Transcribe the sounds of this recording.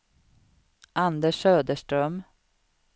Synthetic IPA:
ʔand̪əʂøːd̪əʂʈɾœm

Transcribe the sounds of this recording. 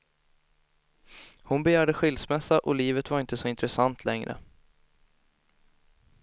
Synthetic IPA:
hʊnbɛjæːɖəɧɪlsmɛsːaʔɔliːvət̪vaɾɪnt̪əsɔɪnt̪ɾɛsant̪ʰlɛŋɾə̰

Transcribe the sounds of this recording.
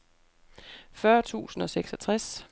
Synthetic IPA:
fɶɐt͡sʰṵːsn̩ɒ̽seɡ̥sɒt͡sʰʁas

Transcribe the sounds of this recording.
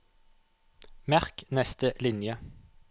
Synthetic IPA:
mæʁknɛst̪əʔlɪnjə

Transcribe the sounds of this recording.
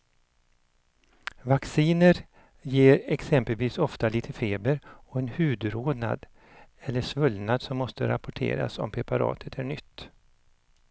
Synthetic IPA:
vaksiːnəɾ | jeːɾɛksɛmpəlviːsɔft̪aliːt̪ʰəfeːbəɾɔɛnhʉ̟ːd̪ɾoːd̪na̰d̪ | ɛlːəʂvɵlnad̪sɔmːɔst̪əɾapʊʈʰḛːɾa̰sɔ̰mpʰɾɛpaɾɑ̰ːt̪ʰət̪ʰæɳʏt̪ː

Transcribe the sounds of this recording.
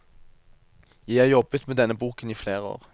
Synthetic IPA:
jæɪæːʁjɔbət̪meːd̪ɛnːəbuːkəniːfleːʁəo̰ːʁ

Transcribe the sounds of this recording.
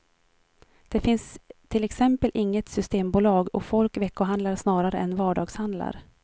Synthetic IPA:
d̪̥ɛfɪnst̪ʰɪlɛksɛmpəlʔɪŋːət̪sʏst̪eːmbuːlɑːɡɔfɔlkvɛkːʊɦand̪laɾʂnɑːɾaɾəʔɛnvɑːɖɑːɡshand̪la̰ɾ

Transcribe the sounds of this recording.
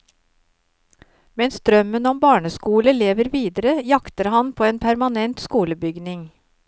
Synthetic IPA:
mɛnsd̪̥ɾœmənɔmbɑːɳəskuːləleːʋəɾʋiːd̪əɾəjɑkt̪əɾhɑnpʰoːeːnpʰæɾmɑnɛnt̪skuːləbʏɡnɪŋ

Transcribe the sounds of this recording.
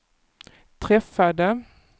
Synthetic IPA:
t̪ʰɾɛfad̪ə

